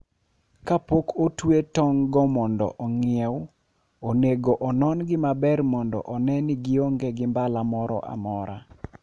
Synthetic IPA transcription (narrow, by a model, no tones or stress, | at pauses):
kapokʰotwetɔŋɡɔmɔndɔ̰ʔɔŋɪɛw | oneɡoʔɔnɔnɡɪmabɛrmɔndɔ̰ʔɔnɛnɪɡɪoŋɡeɡɪmbalamɔɾɔ̰ʔa̰mɔɾa